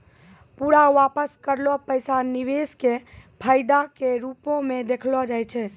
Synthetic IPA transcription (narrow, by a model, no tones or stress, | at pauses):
puɾaʋapəskəɾlɔpəjsaniʋeskepʰəɪd̪akeɾupõmed̪ekʰlɔd͡ʒajt͡ʃʰɛ